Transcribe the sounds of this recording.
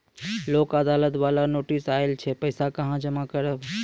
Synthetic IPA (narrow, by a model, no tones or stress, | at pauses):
lokad̪alət̪balanoʈisaelt͡ʃʰɛpəɪsakəɦãd͡ʒəmakəɾə